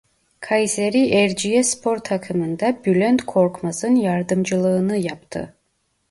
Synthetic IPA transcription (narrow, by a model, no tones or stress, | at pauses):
kʰajzeɾiʔɛɾd͡ʒijɛspʰo̞ɾt̪ʰakʰɯmɯnd̪abylʲønt̪kʰo̞ɾkmazɯnjaɾd̪ɯmd͡ʒɯlˠɯːnɯjapt̪ʰɯ̰